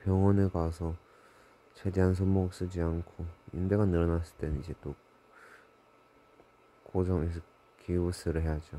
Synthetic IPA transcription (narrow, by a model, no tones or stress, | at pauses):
pjʌŋwʌnekwasʰʌ | t͡ɕʰedeɦans̬ʰomok̚s͈ɯd͡ʑiankʰoḭndeɡanɯɾʌnas͈ɯɭt͈enid͡ʑe̞t͈o | kod͡ʑʌŋesʌ | kiusʰɯɾɯɭɦejad͡ʑo